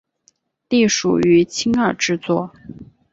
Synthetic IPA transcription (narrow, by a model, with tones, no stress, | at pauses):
t̪i˥˩ʂṵ˨˩y˧˥t͡ɕʰi˥ŋə˞˥˩ʈ͡ʂɻ̩˥˧t͡swɔ˥˩